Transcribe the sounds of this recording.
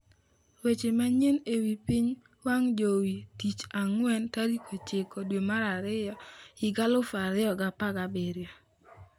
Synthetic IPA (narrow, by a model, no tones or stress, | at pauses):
wet͡ʃemaɲenewipɪɲ | waŋd͡ʒowitit͡ʃaŋwɛntaɾikʰot͡ʃɪkɔdwemaɾaɾɪjɔɪɡalʊfaɾɪjɔɡapaɡabeɾjo